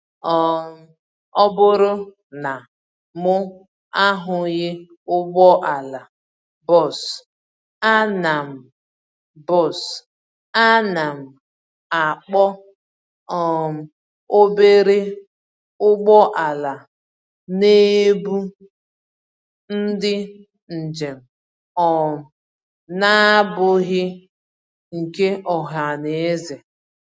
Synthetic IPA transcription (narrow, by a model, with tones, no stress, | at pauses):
ɔ˨ | ɔ˦bʊ˦ɾʊ˦ | na˨ | mʊ˦ | a˦ɦʊ˨ɣɪ˦ | ʊ˦ɡ͡bɔ˦ʔa˨la˨ | bɔ˦˨s | a˦na˨m̩˨ | bɔ˦˨s | a˦na˨m̩˨ | a˨k͡pɔ˦ | ɔ˨m̩˨ | o˦be˦ɾɪ˦ | ʊ˦ɡ͡bɔ˦ʔa˨la˨ | ne˦bu˦ | n̩˦dɪ˦ | n̩˨d͡ʒe˨m̩˨ | ɔ˨m̩˨ | na˦bʊ˦ɣɪ˦ | ŋ̩˨ke˦ʔɔ˨ɦa˨ne˨˦zɪ˨